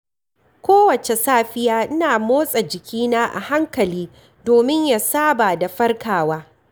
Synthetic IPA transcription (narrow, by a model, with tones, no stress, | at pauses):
kʷoː˦wɐ˨t͡ʃe˨saː˦ɸɪ˦jaː˦ʔɪ˦naː˨moː˦sʼa˨d͡ʒɪ˨kʲʰiː˦naː˦ʔa̰˨ha˦ŋkɐ˨liː˦ | doː˨mɪ˦ɲja˨saː˦ba˨da˨ɸɐ˦rkʰaː˨waː˦